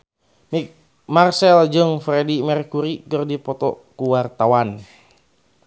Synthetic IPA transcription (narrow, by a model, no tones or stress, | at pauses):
mik | marsɛld͡ʒɨŋfɾɛdimɛrkuɾikərdipɔt̪ɔkuwart̪awan